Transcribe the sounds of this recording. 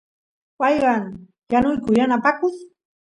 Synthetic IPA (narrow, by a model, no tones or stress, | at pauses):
pɑjɢɑŋ | janʊjkʊjanapakʊs